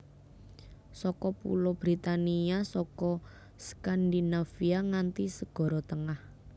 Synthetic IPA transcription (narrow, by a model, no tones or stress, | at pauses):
sɔkɔpṵlɔb̥ɾit̪aniasɔkɔ | skand̪inafiaŋant̪isəɡ̥ɔ̤ɾɔt̪əŋah